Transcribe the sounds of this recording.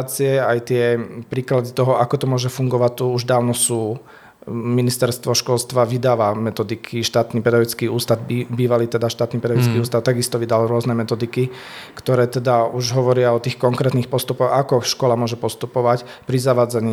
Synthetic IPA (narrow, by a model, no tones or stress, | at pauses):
t͡siɛajt̪ɪɛpɾiːklad̪it̪ɔɦɔakɔt̪ɔmʊɔʒɛfuŋɡɔʋac̚t̪uuʒd̪aːʊnɔsuː | minist̪ɛɾst̪ʋɔʃkɔlst̪ʋaʋid̪aːʋamɛt̪ɔd̪ikʰiʃt̪aːt̪niːpɛd̪aʋit͡skiuːst̪ad̪̚biːʋaliːt̪ɛd̪aʃt̪aːt̪niːpɛd̪aʋit͡skiuːst̪aʊt̪aɡist̪ɔʋid̪alɾʊɔznɛmɛt̪ɔd̪iki | kt̪ɔɾɛːt̪ɛd̪auʒɦɔʋɔɾɪaɔt̪iːxkɔŋkɾɛːt̪niːxpɔst̪upɔɣakɔʃkɔlamʊɔʒɛpɔst̪upɔʋac | pɾizaʋaːd͡zaɲi